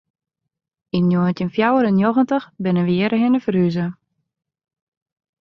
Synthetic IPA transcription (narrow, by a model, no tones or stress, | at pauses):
injoəntənfjawəɾənjoɣəntəxbɪnəʋɪəɾəɦɪnəfəryzə